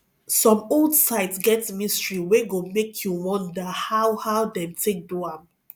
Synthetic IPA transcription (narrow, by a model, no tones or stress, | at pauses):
sɔ̃moldsaɪtsɡɛtmĩstɹiweɡomekʰjuwɔ̃ndəhaʊhawdɛ̃mtʰek̚duam